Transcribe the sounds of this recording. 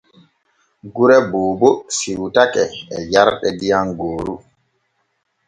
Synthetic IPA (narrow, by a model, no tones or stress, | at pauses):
ɡuɾɛboːbɔsiwtakɛɛjaɾɗɛdijanɡoːɾu